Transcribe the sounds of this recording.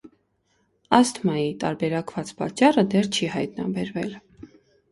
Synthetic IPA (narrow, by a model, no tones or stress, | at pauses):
ɑst̪ʰmɑjit̪ɑ̰ɾbɛɾɑkvɑt͡spɑ̰t͡ʃːɑrəd̪ɛrt͡ʃʰihɑjt̪nɑ̰bɛɾvɛl